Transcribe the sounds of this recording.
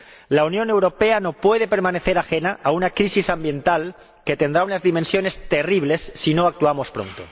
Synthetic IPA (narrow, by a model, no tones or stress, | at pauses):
launjõne̞wɾo̞pe̞ano̞pwe̞ð̞e̞pe̞ɾmãne̞θe̞ɾaxe̞naʔaunakɾisisambje̞nt̪al | ke̞t̪e̞nd̪ɾaunazðimẽnsjo̞ne̞st̪e̞riβ̞le̞sːino̞ak̚t̪uamo̞spɾo̞̰nt̪o̰